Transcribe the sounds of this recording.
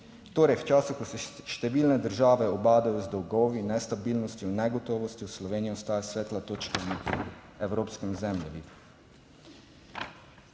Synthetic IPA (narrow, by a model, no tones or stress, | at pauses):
t̪oːɾɛjwt͡ʃaːsuxkɔsɛʃt̪ɛʋiːlnɛd̪əɾʒaːʋɛɔbaːd̪ajɔzd̪ɔwɡɔːʋinɛst̪abiːlnɔst̪jɔnɛɡɔt̪ɔːʋɔst̪jiwslɔʋeːnijɔɔst̪aːjasʋɛːt̪lat̪oːt͡ʃkɛmi | ɛwɾoːpskɛmzɛmʎɛʋi